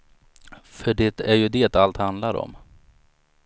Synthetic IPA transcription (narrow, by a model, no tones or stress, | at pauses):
fœɖɛt̪æɾjɵd̪ɛːt̪alt̪hand̪laɾɔ̰m